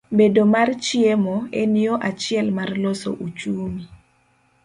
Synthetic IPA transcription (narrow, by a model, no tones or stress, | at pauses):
bedomart͡ʃiemɔɛnioʔat͡ʃɪɛlmarloso̰ʔut͡ʃuːmi